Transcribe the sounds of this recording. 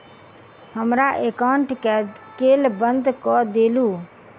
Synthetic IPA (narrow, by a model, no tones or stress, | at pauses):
ɦəmɾaʔekaɳʈɛ | kelbənd̪kɔd̪eːlu